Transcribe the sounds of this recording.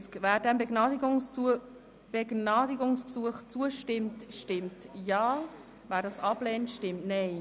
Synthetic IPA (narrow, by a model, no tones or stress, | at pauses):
skvæːɾdɛmbəɡɑ | b̥eɡnɑːdiɡʊŋsksuəχt͡suəʃtɪmtʃtɪmtjɑː | væːɾdɑsɑb̥leːntʃtɪmtnɛɪ